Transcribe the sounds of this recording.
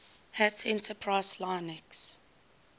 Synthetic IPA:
hætʰɛ̃ntəpʰɹaɪslaɪnɪks

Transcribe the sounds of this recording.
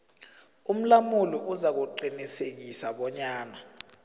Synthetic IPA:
um̩lamulɔʔuzak̬uǃinisek̬isaɓɔɲaːna

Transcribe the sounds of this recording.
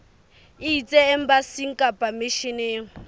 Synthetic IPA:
iit͡sʼɛɛm̩basiŋ̩kʼapʼamɪʃɪneːŋ̩

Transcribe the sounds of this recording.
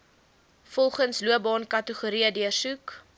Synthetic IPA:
fɔlˠχənsluəbɑːnkɐtəχuɾiədiərsuk

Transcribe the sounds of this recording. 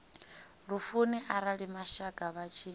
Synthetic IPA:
ɺufuniʔaɾaɺimaʃaɡʼaβat͡ʃʰi

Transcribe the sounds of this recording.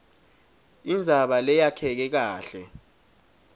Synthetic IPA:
ind͡zʱaɓalɛjakʰɛk̬ɛk̬aːɬɛ

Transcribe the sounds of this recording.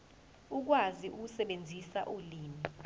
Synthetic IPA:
uk̬waziʔuk̬usɛɓend͡zʱisaʔuliːmi

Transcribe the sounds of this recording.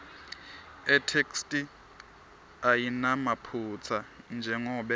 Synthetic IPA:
ɛtʰekʰstʼi | ajinamapʰut͡sʰand͡ʒʱɛŋɔːɓɛ

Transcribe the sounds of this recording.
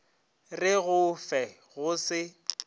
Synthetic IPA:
rɪɣʊfɛ | ɣʊsɪ

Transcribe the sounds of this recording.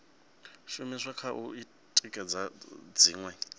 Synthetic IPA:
ʃumiʂakʰaʔui | tʼikʼɛd͡zad͡ziːŋwɛ

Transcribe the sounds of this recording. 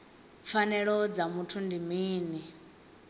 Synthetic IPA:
fanɛɺɔd͡zamutʰundimiːni

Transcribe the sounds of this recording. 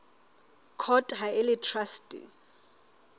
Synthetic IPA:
kʰɔtʼɦajɛlitʰrastʼḭ

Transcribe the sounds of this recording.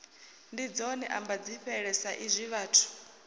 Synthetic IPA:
ndid͡zɔniʔambad͡ziɸɛɺɛsaʔizʷiβaːtʰu̥

